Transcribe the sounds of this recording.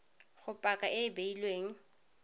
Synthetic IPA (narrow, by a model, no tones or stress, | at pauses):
χʊpʼakʼaʔɪbeilweːŋ̩